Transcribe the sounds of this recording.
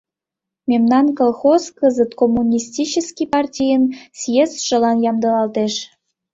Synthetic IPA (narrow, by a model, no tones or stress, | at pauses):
mʲemnɑnkolˠxoskəzət̪komːunʲistʲit͡ɕəskʲipɑrtʲijənsjesʃə̆lɑnjɑmd̪ɤ̆lɑlt̪eʃ